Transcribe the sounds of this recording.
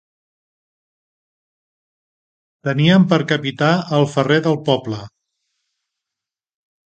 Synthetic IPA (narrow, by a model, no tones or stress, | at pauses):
t̪əniəmpəɾkəpit̪aəlˠfəreðəlˠpɔplə